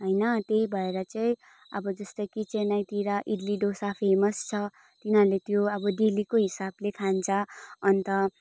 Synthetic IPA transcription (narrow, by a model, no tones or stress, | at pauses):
ɦʌjnʌt̪eibʱʌeɾʌt͡saĩ | ʌbʌd͡zʌst̪ʌkit͡senajt̪iɾaʔiɖliɖosapʰemʌst͡sʰʌ | t̪inɦʌɾulet̪joʌbʌɖilikoɦisablek̪ʰant͡sʰʌːnt̪ʌ